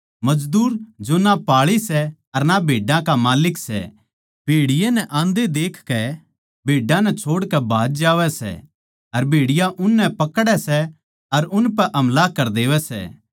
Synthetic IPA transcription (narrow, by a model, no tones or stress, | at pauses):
mɐd͡ʒd̪uːɾd͡ʒonapaːɭisɛ | ɐɾnabʱeːɖãkamaːlɪksɛ̰ | b̥ʱeːɽɪjenɛ̃ʔãːnd̪ed̪eːkʰkɛ | bʱeːɖãnɛt͡ʃʰoːɽkɛbʱaːd͡ʒd͡ʒaːʋɛsɛ̰ | ɐɾbʱeːɽɪjãʔʊnːɛpɐkɽɛsɛ | ɐɾʊnpɛʔɐmlakɐɾd̪eːʋɛsɛ̰ː